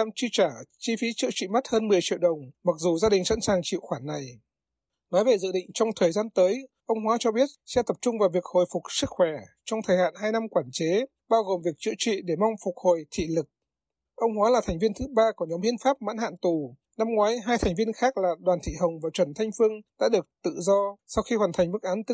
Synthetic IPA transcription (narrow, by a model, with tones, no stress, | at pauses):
aː˧mt͡ɕi˧t͡ɕaː˧˩t͡ɕi˧fi˨˦t͡ɕɨ̰˧˨ət͡ɕḭ˧˨m˦˥t̚həː˧nmɨ˨˩əjt͡ɕḭ˧˨əwɗə˨˩wŋ͡mma˨˩k̚zu˨˩zaː˧ɗï˨˩ŋ̟sa̰˧˥nsaː˨˩ŋt͡ɕḭ˧˨wxwaː˧˩nːa˨˩j | nɔ˨˦jve˨˩zɨ̰˧˨ɗḭ̈˧˨ŋ̟t͡ɕɔ˧wŋ͡mt̪ʰəː˨˩jzaː˧nt̪əː˨˦jʔə˧wŋ͡mɦwaː˨˦t͡ɕɔ˧ɓi˦˥ət̚sɛ̰˧˥t̪ə˨˩p̚t͡ɕʊ˧ŋ͡mvaː˨˩wvi˨˩ək̚ho˧˨˩jfʊ˨˩k̚sɨ˦˥k̚xwɛ˧˩ | t͡ɕɔ˧ŋ͡mt̪ʰəː˨˩jha̰ː˧˨nhaː˧jna˧mkwaː˧˩nt͡ɕe˨˦ | ɓaː˧wɣo˨˩mvi˨˩ək̚t͡ɕɨ̰˧˨t͡ɕwḭ˧˨ɗe˧˩mɔ˧wŋ͡mfʊ˨˩k̚ho˨˩jt̪ʰḭ˧˨lɨ˨˩k̚ | ʔə˧wŋ͡mhwaː˨˦laː˨˩t̪ʰa˨˩ŋ̟vi˧ənt̪ʰɨ˨˦ɓaː˧ku˧˨˩ɲɔ˨˦mhi˧ənfaː˦˥p̚ma̰ː˧˥nha̰ː˧˨nt̪u˨˩ | na˧mŋwaː˨˦jɦaː˧jt̪ʰa˨˩ŋ̟vi˧ənxaː˦˥k̚laː˨˩ɗwaː˨˩nt̪ʰḭ˧˨ɦə˨˩wŋ͡mvaː˨˩wt͡ɕwə˧˩nt̪ʰa˧jŋ̟fɨ˧əŋɗa̰ː˧˥ɗɨ˨˩ək̚t̪ɨ̰˧˨zɔ˧sa˧wxi˧hwaː˨˩t̪ʰjŋ̟mɨ˦˥k̚ʔaː˨˦nt̪